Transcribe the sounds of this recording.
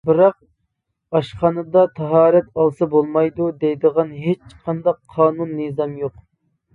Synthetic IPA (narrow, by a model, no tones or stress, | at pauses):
bɪɾɑq̚ | ɑʃqɑnɨd̪ɑt̪ʰɑɦɑːɾɛt̪ɑlˠsɑbolˠmɑjd̪ud̪ɛjd̪əʁɑnɦet͡ʃqʰɑnd̪ɑqʰːɑːnunːɨzɑmjoq